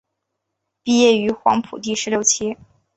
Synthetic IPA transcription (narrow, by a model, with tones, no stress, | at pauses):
pi˥˧jɛ˥˩y˧˥xwɑ˧˥ŋpʰu˨˩t̪̬i˥˩ʂɻ̩˧˥ljo˥˧˩ʊt͡ɕʰi˥